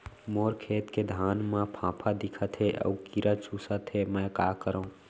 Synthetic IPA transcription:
moːɾkʰeːt̪ked̪ʱaːnmãpʰãːpʰad̪ɪkʰət̪ɦeʔə̰ukiɾʔət͡ʃuːsət̪ɦemɛ̃kakəɾə̃

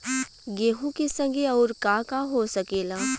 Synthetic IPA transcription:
ɡeːɦũkesɐ̃ŋɡʱeɔːɾkaːkaɦosɐkeːlaː

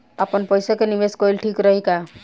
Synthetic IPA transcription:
apɔnpɔjsɔkenibeskɔjlʈʰikɾɔɦika

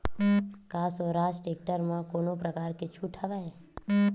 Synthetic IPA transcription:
kaːsoɾasʈeːk̚ʈəɾmãkonopɾəkaːɾkɪt͡ʃʰuʈʰəʋae

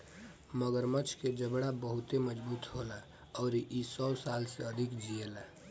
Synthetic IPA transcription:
məɡəɾmət͡ʃʰked͡ʒəbɽabəɦʊt̪eməd͡ʒbuːt̪ɦola | ɔːɾiʔisɔːsaːlseəd̪ʱɪkd͡ʒieːla

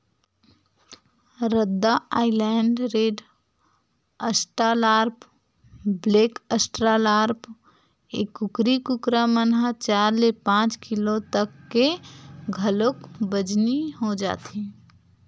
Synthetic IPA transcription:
ɾəd̪ːaaːilɛɳɖɾeːɖ | əsʈɾalaːɾp | bleːkəsʈɾalaːɾp | ḛkːukɾikukɾamənɦət͡ʃaːɾlepãːt͡ʃkilot̪əkːeɡʱəlokbəd͡ʒniɦod͡ʒa̰ːt̪ʰi

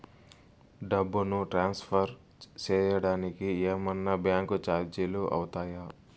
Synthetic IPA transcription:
ɖɐbːunuʈɾaːnspʰɐɾ | t͡ʃɛːjɐɽaːnikieːmɐnːɐbjaːŋkut͡ʃaːɾd͡ʒiluʔɐ̰wut̪aːja

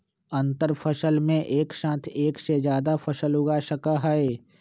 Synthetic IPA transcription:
ə̃nt̪əɾpʰəʃəlmẽʔeːkʃãːt̪ʰeːksed͡ʒjaːd̪apʰəsəlʊɡaʃəkaɦɛe

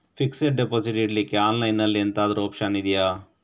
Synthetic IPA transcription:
fʰikseʈ̚ɖepoːsiʈiɖlikːeaːnlɐjnːɐlːient̪aːd̪ɐɾuɔpʃɐnid̪ijaː

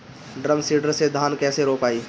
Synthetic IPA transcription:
ɖɾəmsiːɖəɾsed̪ʱaːnkɛːseɾoːpaːiː

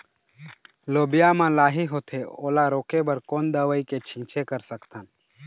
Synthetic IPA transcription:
loːbijamãlaːɦiɦoːt̪ʰeoːlaɾoːkebəɾkoːnd̪əʋəiket͡ʃʰĩːt͡ʃʰekəɾsəkt̪ʰan

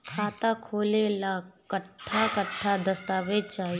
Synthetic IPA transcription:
kʰaːt̪akʰoːlelakəʈʰːakəʈʰːad̪əst̪aːʋed͡ʒt͡ʃaːɦi

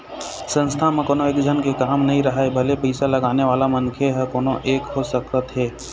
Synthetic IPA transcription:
sə̃nst̪ʰamẽkoːnõeːkd͡ʒʱənkekaːmnɐɦĩɾɐɦaebʱɐlepɛɪsalɐɡaːneʋaːlamə̃nkʰeɦɛkoːnõʔeːkɦosək̪ət̪ɦɛː

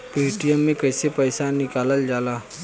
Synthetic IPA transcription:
peːʈijəmːẽkəɪsepəɪsanɪkaːləld͡ʒaːlaː

